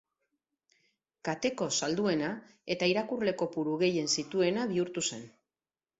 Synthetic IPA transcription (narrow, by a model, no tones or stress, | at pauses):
kat̪e̞ko̞sald̪ue̞na | e̞t̪aiɾakurle̞ko̞puɾuɣe̞je̞nsit̪ue̞naβiuɾt̪use̞n